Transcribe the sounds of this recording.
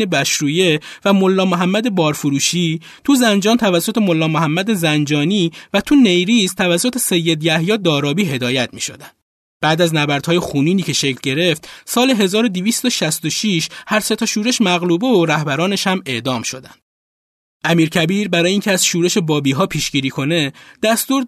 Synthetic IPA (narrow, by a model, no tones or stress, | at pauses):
ebæʃɾuːje̞væmo̞lːɒːmoɦæmːæd̪e̞bɒːɾfoɾuːʃiː | t̪ʰuzænd͡ʒɒːnt̪ʰævæsːo̞t̪ʰemo̞lːɒːmoɦæmːæd̪ezænd͡ʒɒːniːvæt̪ʰune̞jɾiːzt̪ʰævæsːo̞t̪ʰe̞se̞jːe̞d̪jæhjɒːd̪ɒːɾɒːbiːɦe̞d̪ɒːjæt̪ʰmḭːʃo̞̰d̪æn | b̥æːd̪æznæbæɾd̪̥hɒːjexuːniːniːcʰeʃecʰlɟe̞ɾe̞ft̪sɒːleɦe̞zɒːɾo̞d̪iviːst̪oʃæst̪oʃiʃhæɾse̞t̪ʰoʃuːɾeʃmæɣluːbeoɾæhbæɾɒːneʃhæme̞ʔd̪ɒːmʃo̞̰d̪ænd̪̥ | ʔæmiːɾcʰæbiːɾbæɾɒːjeiːŋcʰeæzʃuːɾe̞ʃe̞bɒːbiːɦɒːpʰiːʃɡiːɾiːkʰo̞ne̞d̪æst̪uːɾ